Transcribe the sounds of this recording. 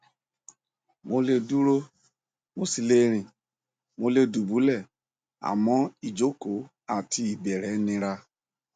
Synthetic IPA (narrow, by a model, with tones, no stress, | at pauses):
mo˧le˧du˦ɾo˦ | mo˦si˨le˨˦ɾĩ˨ | mo˧le˧du˨bu˨˦lɛ˦˨ | a̰˨mɔ̃˦i˨d͡ʒo˦ko˨˦ | a˨ti˧˦i˨bɛ˨ɾɛ˨˦nĩ˦ɾa˦